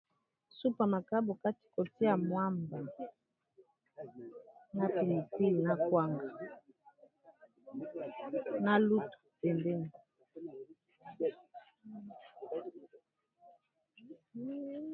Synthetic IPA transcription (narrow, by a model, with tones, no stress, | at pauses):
su˦pa˨ma˨ka˦bo˨ka˦ti̥˨ko˨ti˦ja˨mwa˦mba˨ | na˦pi˨li˨pi˦lna˦kwa˦ŋɡa˨ | na˦lu˦tu̥˨pɛ˨mbɛ˦n˨